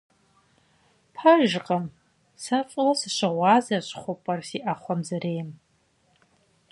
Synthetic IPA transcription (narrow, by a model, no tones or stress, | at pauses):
pʰaʒʒqʼam | sat͡ʃʷʼlasaʃʷaʁʷaːzaʃʷχʷʊpʼɐrsiʔaχʷamzaɾejm